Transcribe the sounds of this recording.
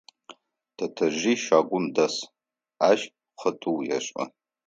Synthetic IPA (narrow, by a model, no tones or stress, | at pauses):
d̥atʰɐʒʷiʃakʷʼʊmdas | aʒ | χətʰʼuwja̰ʂʷʼɐ̰